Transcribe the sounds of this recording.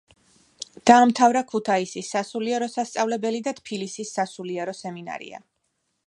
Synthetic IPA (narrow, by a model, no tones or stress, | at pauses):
d̪̥aːmt̪ʰavɾakʰut̪ʰaisisːasuliɛɾɔsast̪sʼavlɛbɛlid̪at̪ʰpʰilisisːasuliɛɾɔsɛmina̰ɾḭa̰